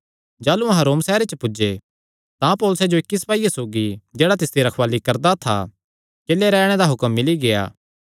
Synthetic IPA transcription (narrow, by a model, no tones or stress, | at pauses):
d͡ʒaːluɐɦãɾoːmsɛːɾet͡ʃəpʊd͡ʒe | t̪ãpɔːlʊsed͡ʒoɪkːis̬paːijasoːɡid͡ʒeːɽat̪̬ɪst̪ʰiɾɐkʰʋaːlikɐɾd̪at̪ʰa̰ | keːleɾɛːɽ̃ed̪aɦʊkəmːɪliɡeja̰ː